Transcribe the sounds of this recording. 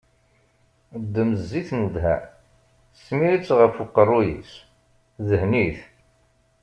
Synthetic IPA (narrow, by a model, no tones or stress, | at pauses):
d̪ːəməzːiθnuðɦæ̰ | sːmiɾit͡sːʁəfuqːərˤːʊjḭs | ðəhniθ